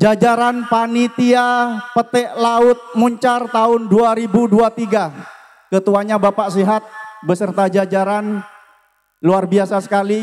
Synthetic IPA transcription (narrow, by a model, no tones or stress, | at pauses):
d͡ʒad͡ʒaɾanpanit̪iapət̪ɛʔlaʊt̪̚muɲt͡ʃart̪aʊnduaɾibuduat̪iɡa | kət̪uaɲabapaʔsiɦat̪̚bəsərt̪ad͡ʒad͡ʒaɾan | luarbiasasə̥kali